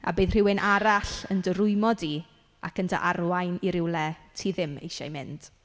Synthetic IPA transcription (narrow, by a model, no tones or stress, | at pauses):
a̰bɨːðr̥ɪwɪnʔaɾaɬəndəɾʊɨmɔdi | a̰kəndʰa̰ʔarwajniɾɪwlɛtʰiðɪmḛjʃa̰jmɪnd̥